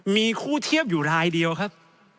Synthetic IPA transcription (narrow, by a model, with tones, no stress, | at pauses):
miː˧kʰuː˥˩t̪ʰi˥˩əp̚juː˨˩ɾaː˧jdi˧əwkʰa˦˥p̚